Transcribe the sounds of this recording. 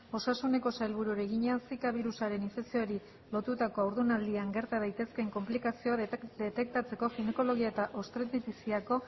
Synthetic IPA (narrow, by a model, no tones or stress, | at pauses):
o̞sasune̞ko̞sajlβuɾuɾeɣiɲeansikaβiɾusaɾe̞niɱfe̞ksioɾi | lo̞t̪ut̪ako̞awɾðunald̪iaŋɡe̞ɾt̪aðajt̪e̞ske̞ŋko̞mplikasio̞ad̪et̪e̞k̚t̪at͡se̞ko̞xine̞ko̞lo̞ɣiae̞t̪aʔo̞st̪ɾet̪it̪isiako̞